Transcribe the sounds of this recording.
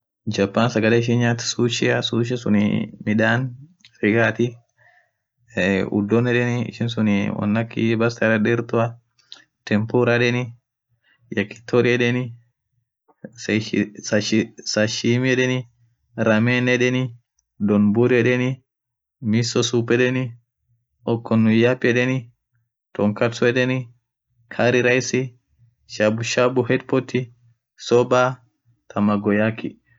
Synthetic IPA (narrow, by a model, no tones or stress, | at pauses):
d͡ʒɐpːaːnsɐɡɐleːɪʃ̬ɪnɲaːt̪suːʃɪɐsuːʃ̬ɛsʊnɪ̰mɪᶑaːnfɪɡaːt̪ɪ | ʊ̰d̪ːɔnɛᶑɛnɪɪ̰ʃɪnsʊnwɐ̰nːɐkːɪbɐst̪ɐɾɐɗɪɾt̪ʊɐ | t̪ɛmpuɾaᶑɛnɪ | jɐkːɪ̥t̪ʰːɔɾɪɛᶑɛnɪ | ssɐʃsɐʃimɛdɛnɪ | ɾɐmenɛdɛnɪ | d̪ɔnbuɾɛᶑɛnɪ | misːɔsuːpːɛd̪ɛnɪ | ɔkːɔnːʊjapʼːɛdɛnɪ | t̪ɔŋkɐt͡sːɔɛd̪ɛnɪ | kʰaɾɪɾɐjsɪ | ʃabʊʃabʊhɛt̪pːɔt̪ːɪ | sɔbaː | t̪ʰɐmɐɡɔjakʰːɪ